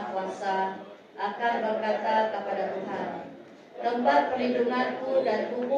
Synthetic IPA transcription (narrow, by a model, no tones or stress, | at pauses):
kuasa | ʔakanbərkat̪akəpadat̪uɦan | t̪əmpat̪̚pərliduŋankudant̪ubu